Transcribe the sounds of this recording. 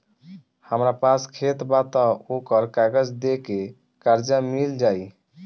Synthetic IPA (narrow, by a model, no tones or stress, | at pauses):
həmɾapaskʰet̪bat̪aokəɾkaɡəd͡ʒd̪eke | kaɾd͡ʒamild͡ʒaj